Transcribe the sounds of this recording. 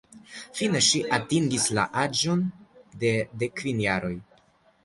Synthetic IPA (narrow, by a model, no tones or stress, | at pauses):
fine̞ʃiʔatiŋɡisla̰ʔad͡ʒo̞ndede̞kvinjaɾo̞j